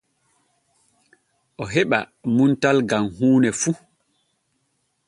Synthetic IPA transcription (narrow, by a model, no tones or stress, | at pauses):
ʔɔɦɛɓa̰muntalɡamhuːnɛfu